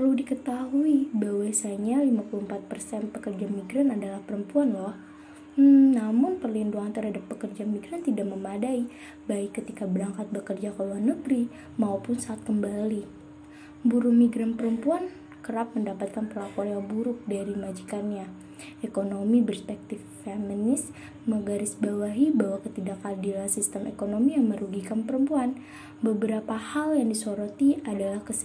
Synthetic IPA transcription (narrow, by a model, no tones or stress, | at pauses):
pərludikət̪aɦuibahwasaɲalimapuluəmpat̪̚pərsɛnpəkərd͡ʒamiɡɾanadalahpəɾəmpuanlɔh | m̩namʊnpərlinduant̪ərɦadapːəkərd͡ʒamiɡɾant̪idaʔ̚məmadai | baɪkːət̪ikabəɾaŋkat̪̚bəkərd͡ʒakoluanːəɡɾi | maupʊnsaːt̪̚kəmbali | buɾʊhmiɡɾampəɾəmpuan | kəɾap̚məndapat̪̚kanpəlapɔanaŋbuɾʊk̚daɾimad͡ʒikanɲa | ekonomibərspɛk̚t̪ɪfːeminɪs | məɡaɾɪsbawaɦibawahkət̪idakadilasist̪əmʔekonomijaŋməɾuɡikanpəɾəmpuan | bəbəɾapahaljaŋdisoɾot̪iadalahkəs